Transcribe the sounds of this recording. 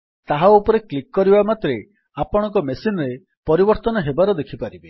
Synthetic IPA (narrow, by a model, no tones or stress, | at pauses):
t̪aɦaupɔɾeklikːɔɾibamat̪ɾe | apɔɽ̃ɔ̃ŋkɔmesinɔɾe | pɔɾibɔɾt̪ɔnɔɦebaɾɔd̪ekʰipaɾibe